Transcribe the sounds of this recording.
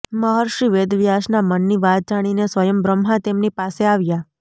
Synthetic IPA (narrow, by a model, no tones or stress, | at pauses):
məɦɔɾʃɾiʋed̪ʋjaʃnamənːiʋat̪̚d͡ʒaɽ̃inesʋəjəmbɾəmɦãt̪emnipaseaʋja